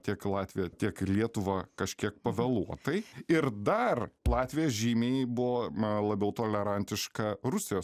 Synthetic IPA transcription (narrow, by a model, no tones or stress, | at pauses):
t̪ʲiɛklˠɑːt̪ʲʋʲɪjɛt̪ʲiɛklʲiɛt̪ʊʋɑːkɐʃʲkʲiɛkpɐʋʲɛlˠuɔt̪ɐɪɪɾd̪ɐrlˠɑːt̪ʲʋʲɪjoːsʒʲiːmʲeːjɛbʊʋoːlˠɐbʲɛʊt̪oːlʲɛɾɐnʲt̪ʲɪʃkɐɾʊsʲɪjoːs